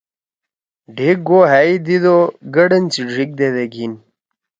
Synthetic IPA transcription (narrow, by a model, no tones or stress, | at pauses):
ɖʱik̚ɡoɦaid̪id̪oɡɐɽɐnt͡siɖʱik̚d̪ed̪eɡin